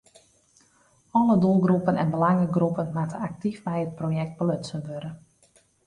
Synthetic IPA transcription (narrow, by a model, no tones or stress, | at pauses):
ɔlədulˠɡrupənɛ̰nbəlaŋəɡrupənmatəak̚tifmɛjət̚projɛk̚t̚bəløtsənʋøɾə